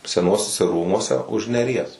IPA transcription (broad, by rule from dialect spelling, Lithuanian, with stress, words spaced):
sʲɛˈnuɔsʲʊsʲɛ ˈruːmuɔsʲɛ ʊʃ nʲɛˈrʲiɛs